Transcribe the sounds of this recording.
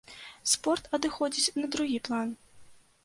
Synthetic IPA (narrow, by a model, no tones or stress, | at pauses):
spɔrt̪ɐd̪ɨxɔd͡zʲit͡sʲnɐd̪ɾuɣʲiplˠan